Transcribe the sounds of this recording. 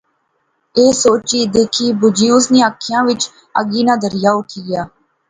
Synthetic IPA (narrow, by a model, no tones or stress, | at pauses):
eːsoːt͡ʃiːd̪eːkʰiːbʊd͡ʒijuːsnĩːaːkʰːɪjãːʋɪt͡ʃ | ə̰ɡiːnãːd̪əɾɪjaːʊʈʰiːɡɪjaː